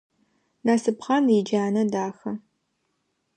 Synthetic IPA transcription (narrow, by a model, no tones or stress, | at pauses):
naːsɨpχɑnid͡ʒaːnɐdaːxɐ